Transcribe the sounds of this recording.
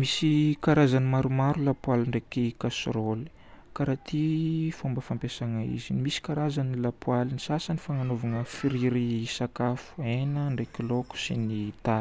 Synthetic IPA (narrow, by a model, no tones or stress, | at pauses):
misikaɾazanimaɾumaɾulapwaliɳɖ͡ʐekikasɾoli̥ | kaɾat̪ʰifumbəfampesaŋaḭzinimisi̥kaɾazanilapwalinisasanifaŋanovaŋəfiɾiɾisakafu̥enəɳɖ͡ʐekiloku̥sinit̪ai̥